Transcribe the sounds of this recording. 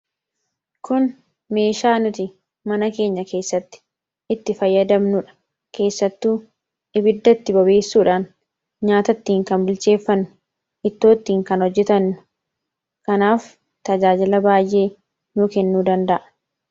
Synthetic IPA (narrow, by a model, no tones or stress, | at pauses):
kʊn | me̞ːʃaːnʊt̪ɪ | mɐnɐke̞ːɲːɐke̞ːsːɐt̪ːɪ̥ | ʔɪt̪ːɪfɐjːɐd̪ɐmnʊᶑɐ̥ | kʰe̞ːsːɐt̪ːuː | ʔɪbɪd̪ːɐt̪ːɪbɐbe̞ːsːuːᶑaːn | ɲaːt̪ɐt̪ːiːŋkɐnbɪlt͡ʃe̞ːfːɐnːʊ̥ | ʔɪt̪ːo̞ːt̪ːiːŋkɐnhɔd͡ʒːɛt̪ɐnːʊ̥ | kɐnaːf | t̪ɐd͡ʒaːd͡ʒɪlɐbaːjʔe̞ː | nʊːkɛnːuːd̪ɐnd̪ɐʔɐ̥